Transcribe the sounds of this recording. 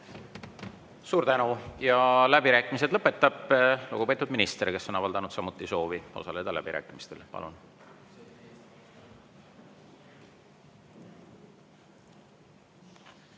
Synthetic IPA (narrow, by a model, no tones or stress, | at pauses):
suːɾt̪ænujɑlæbiɾæːkːˑimis̬e̞d̪̥lɤpːˑe̞t̪ːˑɑb̥luɡ̥upe̞ːt̪ud̪minist̪eɾike̞sːo̞nɑvɑld̪ɑnud̪sɑmut̪ːˑiso̞ːvio̞̰sɑle̞d̪ɑlæ̰b̥iɾæ̰ːkːˑimist̪e̞lpɑ̰lṵn